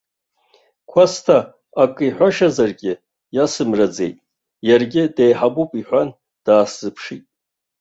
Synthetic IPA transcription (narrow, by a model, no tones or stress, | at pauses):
kʷʰastʰaː | kʼiħʷaʃazarɡʲɪ | jasɨmrad͡ze̞̰jtʼ | jarɡʲɪdejħabupʼiħʷan | d̥aːszɨpʰʂitʼ